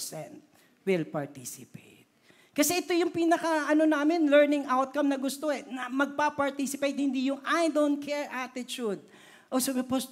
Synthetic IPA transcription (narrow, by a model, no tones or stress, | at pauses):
sɛ̃nt̪̚ | wɪlpɐɹt̪isɪpejt̪̚ | kɐsɛʔɛt̪o̞jʊŋpiːnɐkɐʔɐnonaːmɪnlɛɹnɪŋʔawt̪̚kɐmnɐɡʊst̪oɛnɐmɐɡ̚papɐɹt̪isɪpejt̪̚hɪnd̪ijʊŋʔajd̪ownt̪̚kʰɛɹʔat̪ɪt͡ʃud̪̚ | ʔosɐbɐpos